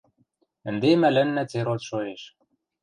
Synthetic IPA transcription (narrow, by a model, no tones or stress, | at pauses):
ɘ̆nd̪emælænːæt͡seɾot̪ʃojeʃ